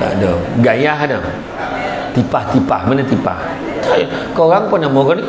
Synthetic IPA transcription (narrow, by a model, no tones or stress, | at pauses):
t̪a̰ʔdəɡajaɦanə | t̪ipaht̪ipa̰hmanat̪ipa̰h | t̪a | koɾaŋponamoɡɔn